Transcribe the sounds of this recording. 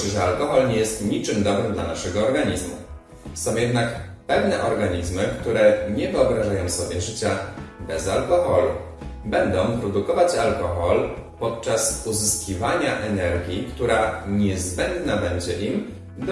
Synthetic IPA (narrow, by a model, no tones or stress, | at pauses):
ʐɛalkɔxɔlɲɛjɛst̪ɲit͡ʂɘmd̪ɔbɾɘmd̪lanaʂɛɡɔːɾɡaɲizmṵ | sɔ̃w̃jɛd̪nakpɛvnɛʔɔɾɡaɲizmɘkt̪uɾɛɲɛvɘɔbɾaʐajɔ̃w̃sɔbʲjɛʐɘt͡ɕabɛzalkɔxɔlṵ | bɛnd̪ɔ̃w̃pɾɔd̪ukɔvat͡ɕalkɔxɔl | pɔt̪̚t͡ʂasuzɘskʲivaɲaʔɛnɛɾɡʲjikt̪uɾaɲɛzbɛnd̪nabɛɲd͡ʑɛʔim | d̪